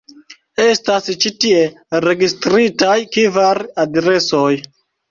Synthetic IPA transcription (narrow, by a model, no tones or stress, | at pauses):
e̞stast͡ʃitie̞ | ɾe̞ɡistɾitajkivaɾadɾe̞so̞j